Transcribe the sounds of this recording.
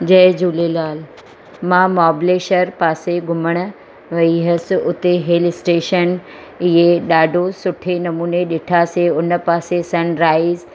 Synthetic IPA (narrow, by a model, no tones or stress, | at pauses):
d͡ʑɐd͡ʑuːlelaːl | mãːmaːbleːʃəɾpaːseɡʱʊməɽ̃ʊ̆ | ʋɐiɦɐsɪ̆ʊt̪eɦeːlɪsʈeːʃən | ɪɦeɗaːɖʱosʊʈʰenɐmuːneɗɪʈʰaseʊnə̆paːsesɐnɾaːɪz